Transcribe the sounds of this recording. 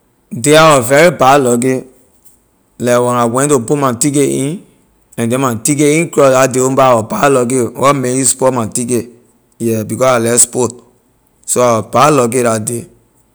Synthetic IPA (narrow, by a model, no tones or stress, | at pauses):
deawɔvɛɹibalɔɡe | lɛwɛ̃nawɛ̃ntopumatikeĩn | ɛ̃ndɛ̃matikeĩnkɹɔsdadeõbaawɔbalɔɡewɔmejuspɔtmatike | jɛbikɔsalɛspot̚ | soawɔbalɔɡedade